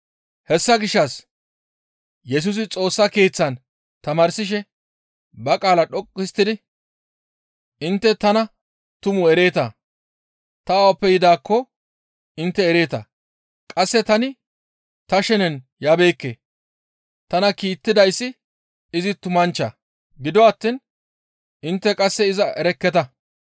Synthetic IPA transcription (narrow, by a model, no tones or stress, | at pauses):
hɛsːɐɡɪʃːɐs | jɛs̬ʊs̬ɪt͡sʼo̞ːsːɐke̞ːt͡sːɐn | t̪ɐmaːɾsɪʃ̬ɛ | bɐkʼaːlɐɗɔkʼːɪst̪ːɪd̪ɪ | ʔɪnt̪ːɛt̪ɐnɐ | t̪ʊmʊɛɾe̞ːt̪ɐ | t̪ɐwpːɛjɪd̪aːkːɔ | ɪnt̪ːɛːɾe̞ːt̪ɐ̰ | kʼɐsːɛt̪ɐnɪ | t̪ɐʃɛnɛn | jaːbe̞ːkːḛː | t̪ɐnɐkiːt̪ːɪd̪ɐjsːɪ | ɪzɪt̪ʊmɐnt͡ʃːɐ̰ | ɡɪd̪ɔɐt̪ːin | ʔɪnt̪ːɛkʼɐsːɛɪzɐʔɛɾɛkːɛt̪ɐ